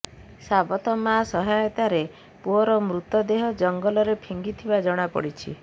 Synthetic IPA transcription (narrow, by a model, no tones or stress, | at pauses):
sabɔt̪ɔmasɔɦajɔt̪aɾe | puɔɾɔmɾut̪ɔd̪eɦɔd͡ʒɔŋɡɔlɔɾepʰiŋɡit̪ʰibad͡ʒɔɽ̃apɔ̰ɽit͡ʃʰḭ